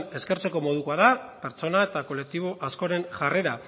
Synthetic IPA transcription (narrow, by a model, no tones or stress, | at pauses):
ne̞ske̞ɾt͡se̞ko̞mo̞ðukoaðape̞ɾt͡so̞nae̞t̪ako̞lek̚t̪iβ̞o̞ʔasko̞ɾe̞nʝare̞ɾa